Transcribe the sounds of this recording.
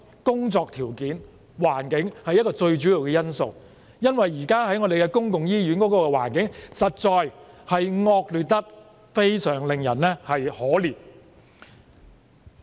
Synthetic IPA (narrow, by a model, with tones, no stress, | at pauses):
kʊ˥ŋt͡sɔː˧k̚t̪ʰiː˨˩wkiː˨˥n | waː˨˩nkɪ˨˥ŋhɐ˨jːɐ˥t̚kɔː˧t͡ʃɵ˧ɥt͡ʃyː˨˥jiː˨˧wkɛː˧jɐ˥nso˨˩w | jɐ˥nwɐ˨jːiː˨˩kaː˥ɦɐ˨˥jŋɔ˨˧d̪e˨jkɛː˧kʊ˥ŋkʊ˨ŋjiː˥jyː˨˥nkɔː˨˥kɔː˧kɛ˧wa̰ː˨˩nkɪ˨˥ŋsɐ˨t̚t͡ʃɔː˧jhɐ˨jŋɔː˧k̚lyː˨˩t̚t̪ɐ˥t̚ | fe˥jsœː˨˩ŋlɪ˨ŋjɐ̰˨˩nɛ˥hɐ˨jhɔː˨˥liː˨˩t̚